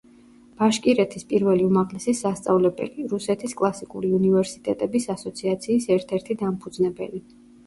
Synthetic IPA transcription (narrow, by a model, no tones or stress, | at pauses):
b̥aʃkʼiɾɛt̪ʰispʼiɾvɛliumaʁlɛsisast̪sʼa̰vlɛbɛ̰liɾusɛt̪ʰiskʼlˠasikʼṵɾiunivɛɾsit̪ʼɛt̪ʼɛbisasɔt̪sʰiat̪sʰiːsɛɾt̪ʰɛɾt̪ʰid̪ampʰud̪znɛbɛ̰li